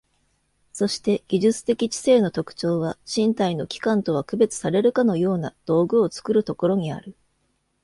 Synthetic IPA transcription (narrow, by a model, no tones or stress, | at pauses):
so̞ɕi̥t̪e̞ɡ̥ʲiʑɨt͡sɨ̥t̪e̞kʲit͡ɕi̥se̞ːno̞t̪o̞kɯ̟̥t͡ɕo̞ːβ̞aɕĩnt̪aino̞kʲi̥kãnt̪o̞β̞akɯ̟be̞t͡sɨ̥saɾe̞ɾɯ̟kano̞jo̞ːnad̪̥o̞ːɡɯ̟o̞t͡sɨ̥kɯ̟ɾɯ̟t̪o̞ko̞ɾo̞ɲ̟ia̰ɾɯ̟